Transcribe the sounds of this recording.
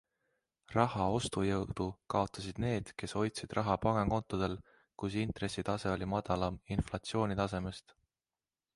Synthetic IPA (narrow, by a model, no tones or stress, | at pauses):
rɑhɑo̞st̪ujɤwd̪̥ukɑo̞t̪ːˑɑsid̪̥ne̞ːd̪̥ke̞so̞jt̪sid̪̥rʔɑɦɑpɑŋeŋko̞nt̪ːˑod̪̥e̞l | kus̬int̪re̞sːit̪ɑse̞o̞lʲimɑd̪ɑlɑminflɑt̪sio̞ːnʲit̪ɑse̞me̞st̪